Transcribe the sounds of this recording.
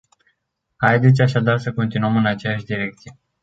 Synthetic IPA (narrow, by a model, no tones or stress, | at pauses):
hajd̪et̪sʲaʃad̪arsəko̞nt̪inuəmɨnat͡ʃejaʃd̪iɾe̞k̚t̪sije̞